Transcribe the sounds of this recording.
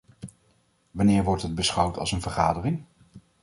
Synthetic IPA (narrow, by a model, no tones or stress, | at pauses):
ʋɑnɪːɹʋɔɹtɦəd̚bəsχʌwtɑ̰lˠsənvəɹχaːdərɪŋ